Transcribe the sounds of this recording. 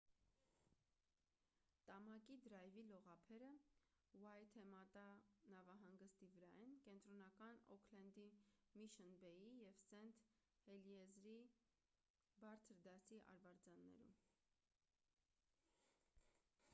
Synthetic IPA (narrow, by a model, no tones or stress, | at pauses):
t̪ɑmɑkid̪əɾɑjvilɔʁɑpʰɛɾə | wɑjt̪ʰɛmɑt̪ɑnɑvɑɦɑŋɡəst̪ivəɾɑɛnkɛnt̪ɾɔnɑkɑnɔ̰kʰlɛnd̪imiʃənbɛjijɛvsɛnt̪ʰ | hɛljɛzɾi | bɑɾt͡sʰəɾd̪ɑsiʔɑ̰ɾvɑɾd͡zɑnːɛ̰ɾṵm